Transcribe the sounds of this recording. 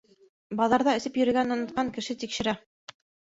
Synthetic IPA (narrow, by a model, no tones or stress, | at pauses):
bɑðɑɾðɑɵ̆sɘpjɵ̆ɾɘ̆ɡænŏnŏt̪̚qɑŋkɘ̆ʃɘt̪ikʃɘ̆ɾæ